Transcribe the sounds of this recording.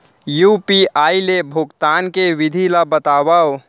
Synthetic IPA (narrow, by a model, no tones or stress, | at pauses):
jupiʔaːilebʱukt̪aːnkeʋid̪ʱilabət̪aːbao